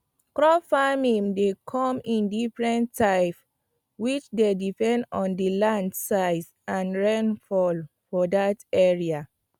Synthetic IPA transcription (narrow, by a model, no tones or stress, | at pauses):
kɹɔfamĩmdekʰɔ̃mĩndifɹɛ̃ntːaɪf | wit͡ʃdedipɛ̃ndɔ̃ndəlãndsaɪdsãnɹɛ̃nfɔl | fɔdatɛɹia